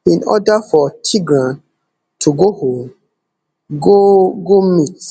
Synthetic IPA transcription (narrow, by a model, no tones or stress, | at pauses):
ĩnɔ̰dafɔtʰiɡɹãn | tʰuɡohõm | ɡoɡomit